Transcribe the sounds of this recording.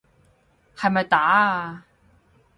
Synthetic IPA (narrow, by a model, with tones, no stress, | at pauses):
hɐ˨jmɐ˨jt̪aː˨˥